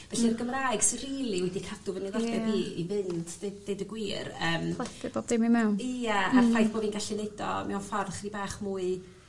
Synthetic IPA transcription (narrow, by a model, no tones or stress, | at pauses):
vɛɬirɡəmraɨɡ̥sɪriːlˠiwɛdikʰadʊvənilˠɔdɛbiːḭvɪndejdəɡwiːrəːmɛpɪb̥oːb̚demimɛwnijaarfajθb̥oːdinɡaɬineɨdɔ̰mɛwnfɔrχribaːχmuːɨ